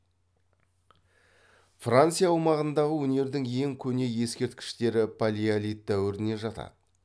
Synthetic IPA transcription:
frant̪sɨijawmɑʁənd̪ɑʁəwɵne̞ɾd̪ɪŋe̞ŋkʲʰɵne̞je̞skʲe̞ɾt̪kʲɪ̥ʃt̪e̞ɾɪpʰalʲialʲijt̪̚d̪æwɪɾɪne̞ʒɑt̪ɑ̰d̪ə

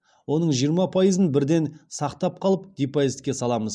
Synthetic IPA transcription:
wo̞nəɴʒijəɾmɑpʰɑjəzənbɪɾd̪e̞nsɑqt̪ɑp̚qʰɑlˠəp̚d̪̥ipajizt̪kʲe̞sɑlˠɑməz

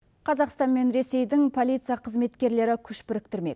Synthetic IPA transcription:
qʰɑzɑqst̪ɑnme̞nɾe̞se̞jd̪ɪŋpʰo̞lˠijt̪sɨijɑqʰəzme̞t̪kʲe̞ɾle̞ɾɪkʲʰʏʃpɪɾɪk̚t̪ɪɾme̞̰k

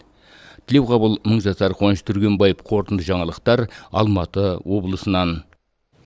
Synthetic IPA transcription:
t̪ʰɪle̞wqʰɑbəlˠməɴʒɑsɑɾqʰo̞nʃə̥t̪ʰʏɾɡʲe̞nbɑjəp̚qʰo̞ɾt̪ənd̪əʒɑɴɑlˠəqt̪ɑɾɑ̰lˠmɑt̪əwo̞blˠəsənɑn

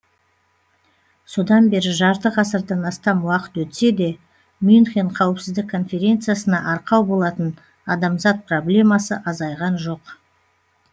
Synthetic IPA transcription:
so̞d̪ɑnbe̞ɾɪʒɑɾt̪əʁɑsəɾd̪ɑnɑst̪ɑmwɑqə̥t̪wɵt̪se̞d̪e̞ | mʏnχʲeɴqʰɑwəpsɪzd̪ɪkʰːo̞nfʲe̞ɾʲe̞nt̪sɨjasənɑʔɑɾqɑwbo̞lˠɑt̪ən | ɑd̪ɑmzɑt̪̚pro̞blʲe̞mɑsəʔɑzɑjʁɑnʒo̞q

